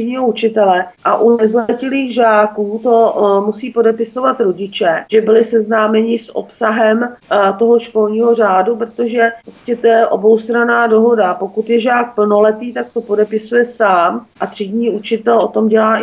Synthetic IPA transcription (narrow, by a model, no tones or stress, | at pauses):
iɲiːɦout͡ʃɪt̪ɛlɛʔaʔunɛzlɛcɪliːɣʒaːkuːt̪o̞musiːpodɛpɪso̞vat̪ɾoɟɪt͡ʃɛʒ̥ɛbɪlɪsɛznaːmɛɲɪsʔo̰psaɦɛmt̪o̞ɦo̞ʃko̞lɲiːɦor̝aːdup̬ɾot̪o̞ʒɛɾoscɛt̪ojɛʔo̞bo̞wst̪ɾanaːdo̞ɦo̞dapo̞kut̪jɛʒaːk̚pl̩no̞lɛt̪iːt̪ak̚t̪o̞po̞dɛpɪsujɛsaːmʔat̪r̥idɲiːut͡ʃɪt̪ɛlʔo̞t̪o̞mɟɛlaːʔɪ